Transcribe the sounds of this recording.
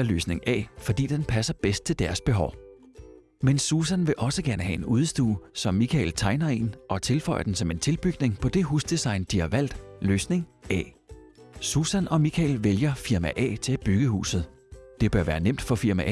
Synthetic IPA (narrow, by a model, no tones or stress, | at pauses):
ɐlø̰ːsne̝ŋɛ̰ːfɒ̽d̥ḭːd̥enpʰæsɐb̥esd̥̚t͡sʰe̝ld̥æɐsb̥e̝ɦɒʊ | mensuːsænʋe̝ʔɒ̽səɡ̥æɐnəɦɛe̝nuːðˠsd̥ṵːsɒ̽mːikʰɛ̰ɪlt͡sʰɑ̈ɪnɐe̝̰nʔɒ̽t͡sʰe̝lfɒ̽ɪ̰ɐd̥ensɒ̽me̝nt͡sʰe̝lb̥yɡ̥ne̝ŋpʰɒ̽d̥e̝ɦuːsd̥isɑ̈ɪnd̥ihɑ̈ʋæl̰d̥løːsne̝ŋɛ̰ː | susænɒ̽mikʰɛɪlʋeljɐfiɐmæʔɛ̰ːt͡sʰe̝æb̥yɡ̥əhṵːsð̩ˠ | d̥e̝b̥ɶɐʋæːɐnem̰d̥fɒ̽fiɐmæ